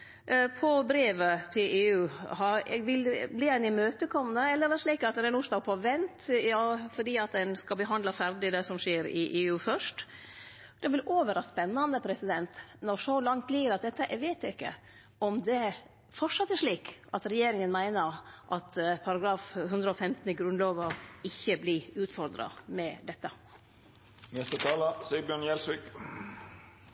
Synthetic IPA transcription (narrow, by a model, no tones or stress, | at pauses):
pʰɔbɾeːʋət̪ʰɪleːʉːhɑɾɛ̰ɡʋɪlbliːɛɪnɪmøːt̪əkʰɔmnəɛlːəɾʋɛʂɭiːkɑt̪nɛɾɛnuːʂd̪ɑːɡ̚pʰɔʋɛnt̪jɑːfɔɖiːɑt̪̚d̪ɛnskɑlbəɦɑnd̪lɑfæɾɖɪd̪ɛsɔmʂeːɾɪ̰ʔeːʉːfœʂʈ | d̪̥ɛʋɪloːʋəɾɑspɛnːɑnd̪əpʰɾɛsɪd̪ɛnt̪nɔɾʂɔlɑŋt̪liːɡəɾɑt̪̚d̪ɛt̪ːəʔɛʋeɪt̪ɪkːə̰ | ɔmd̪ɛ | fɔʂɑt̪ːæʂɭiːkʔɑt̪ɾɛjeːɾɪŋənmæɪnəɾʔɑt̪pʰɑɾɑɡɾɑːfɦʉnd̪ɾəɔfɛmt̪n̩ɪɡɾʉnloːʋɑɪçːəblɪʉːt̪fɔɾd̪ɾɑ̰mɛd̪ɛt̪ːə | nɛst̪ət̪ʰɑːləsɛəbjøːɳjɛlsʋɪk